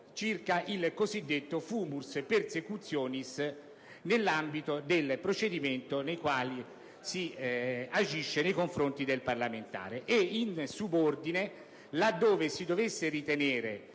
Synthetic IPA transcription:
t͡ʃirkaʔilkozid̪ːet̪ːofuːmuspersekut̪sːjɔːnis | nelːambit̪od̪elpɾot͡ʃed̪iment̪onejkwaːli | si | ad͡ʒiʃːenejkoɱfɾont̪id̪elparlament̪a̰ːɾeʔeinsubord̪ine | lad̪ːoːvesid̪ovesːeɾit̪eneːɾe

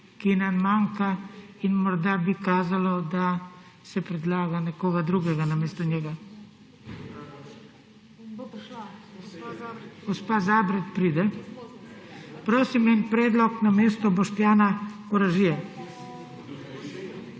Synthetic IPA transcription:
kinanmaŋkainmɔɾd̪abikaːzalɔd̪a | sɛpɾɛd̪laːɡanɛkoːɡad̪ɾuːɡɛɡanameːst̪ɔɲjɛɡa | ɡ̥ospaːzaːbɾɛt̪pɾiːd̪ɛ | pɾoːsimɛnpɾeːd̪lɔknameːst̪ɔboʃt̪jaːnakoɾaʒija

